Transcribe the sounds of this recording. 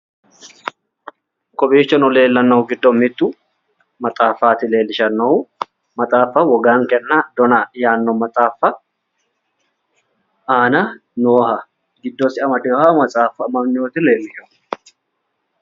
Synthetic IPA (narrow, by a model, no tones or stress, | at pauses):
kɔbiːt͡ʃːɔnɔle̞ːlːɐnːɐhʊɡɪd̪ːɔmɪt̪ːu | mɐt̪ʼaːfːaːt̪ɪle̞ːlːɪʃɐnːɐu | mɐt̪ʼaːfːɐwɔɡaːŋkɛnːɐd̪ɔnɐjaːnːɔmɐt̪ʼaːfːɐ | aːnɐnoːhɐ | ɡɪd̪ːɔsɪʔɐmɐd̪ɪhamɐt͡sʼaːfːɐmɐmnɪjoːt̪ɪle̞ːlːɪʃɔ